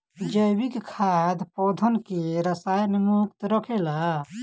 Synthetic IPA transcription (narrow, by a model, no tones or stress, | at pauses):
d͡ʒəjbikkʰad̪pɔd̪ʱənkeɾəsajnimukt̪ɾəkʰela